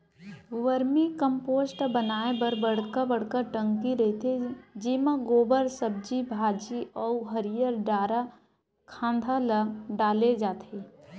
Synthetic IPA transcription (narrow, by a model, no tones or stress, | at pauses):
ʋəɾmikə̃mpoːsʈbənaːebəɾbəɽ̤kabəɽ̤kəʈə̃ŋkiɾɐɦit̪ʰed͡ʒiːmãɡoːbəɾsəb̚d͡ʒibʱaːd͡ʒiɔːɦəɾijəɾɖaːɾa | kʰãːnd̪ʱaləɖaːled͡ʒaːt̪eː